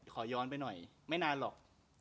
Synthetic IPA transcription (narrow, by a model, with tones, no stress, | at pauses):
kʰɔː˩˦jɔː˧np̬a˧jnɔ˨˩j | ma˥˩jnaː˧nlɔ̰ː˨˩k̚